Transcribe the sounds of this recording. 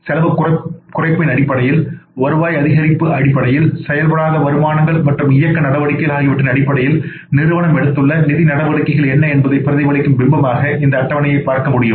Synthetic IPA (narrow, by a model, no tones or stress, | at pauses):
sɛlɐʋɯkɐkʊrɐɪpːɪnɐɽɪpːɐɽɐjɪlɐɾɯʋaːjɐðɪɣɐɾɪpːɯɐɽɪpːɐɽɐjɪlsɛjɐlpɐɽaːðɐʋɐɾɯmaːnɐŋɡɐɭmɐʈrɯmɪjɐkːɐnɐɽɐʋɐɽɯkːɐɐlaːɣɪʋɪʈːɪnɐɽɪpːɐɽɐjɪl | nɪɾɯʋɐɳɐmɛɽɯt̪ːɯɭːɐnɪðinɐɽɐʋɐɽɯkːɐɣɐɭɛnːɐɛnbɐðɐɪpːɪɾɐðɐɪʋɐɭɪkːɯmbɪmbɐmaːɣɐʔɪnd̪ɐːʈːɐʋɐnɐjɐɪpaːɾkɐmʊɽɪjɯm